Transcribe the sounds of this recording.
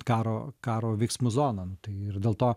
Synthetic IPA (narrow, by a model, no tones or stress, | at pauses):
kɑːɾoːkɑːɾoːʋʲɛɪksmʊzoːnɐnʊt̪ɐɪɪrd̪ʲeːlˠt̪oː